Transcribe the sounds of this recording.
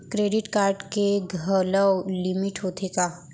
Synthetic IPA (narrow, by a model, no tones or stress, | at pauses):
kɾeːɖɪʈkaːɾɖkeɡʱələlɪmɪʈɦoːt̪ʰekaː